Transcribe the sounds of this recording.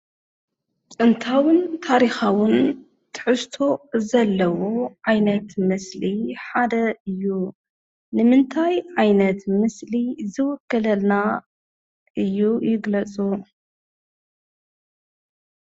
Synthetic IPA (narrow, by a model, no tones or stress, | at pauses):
t͡sʼɨnt̪ʰawɨnt̪ʰaɾixawɨn | t̪ʰɨ̥ħɨst̪ʰo̞zɐlːɐwoʕajnɐt̪mɨsliħad̪ɐɨjːu | nɨmɨnt̪ʰajʕajnɐt̪mɨslizɨwɔkːɐlɐlna | ʔɨjːujɪɡlɐt͡sʼu